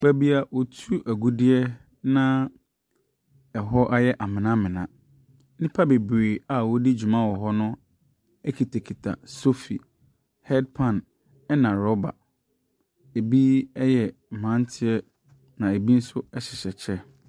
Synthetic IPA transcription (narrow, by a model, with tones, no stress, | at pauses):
k͡pæ˦bi˦a˨wɔ˨tʰu˦ʔæ˨ɡu˦dɪ˦ɛ˦ | nã˦ | ɛ˨ɦɔ˦ʔa˦jɛ˦ʔa˨mɪ̃˨nã˦mɪ̃˨nã̰˨ | nɪ̃˦pʰa˦be˨bɾe˨a˨wɔ˦di˦d͡ʑᶣu˨mã˦wɔ˨ɦɔ˦nʊ̃˦ | ɛ˦kʰi˨tʰe˨kʰi˨tʰa̰˨so˦fḭ˨ | hɛ˦d̚pʰã˨n | ɛ˦nã˨ɾɔ˦ba̰˨ | e˨bi˦ɛ˦jɛ˨m̩˨mã˨˦n˦tʰɪ˦ɛ˦ | nã˨e˨bi˦n̩˦sʊ˦ɛ˦ɕɪ˨ɕɛ˨t͡ɕʰɛ˦